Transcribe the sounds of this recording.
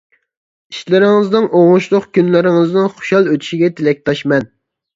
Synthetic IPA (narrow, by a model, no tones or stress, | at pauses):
iʃlɪɾɪŋɨznɪŋʔoŋʊʃlˠʊqkʲynlɪɾɪŋɨznɪŋχʊ̥ʃɑlˠøt̪ʰy̥ʃiɡʲɛt̪ʰelɛk̚ʲt̪ʰɑʃmɛn